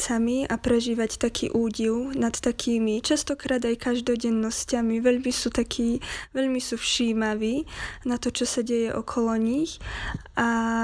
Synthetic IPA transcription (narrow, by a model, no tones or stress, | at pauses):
samiapɾɛʒiːʋact̪akʰḭːʔuːɟilnat̪ːakʰiːmit͡ʃast̪ɔkɾaːd̪ajkaʒd̪ɔɟɛnːɔscamiʋɛʎmisuːt̪akʰiːʋɛʎmisuːfʃiːmaʋiːnat̪ɔt͡ʃɔsaɟɛjɛʔɔkʰɔlɔɲixʔa